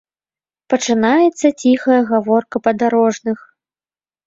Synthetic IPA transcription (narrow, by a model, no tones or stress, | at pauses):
pɐt͡ʂɨnajɛt̪sːɐt͡sʲixɐjɐɣavɔrkɐpɐd̪aɾɔʐnɨx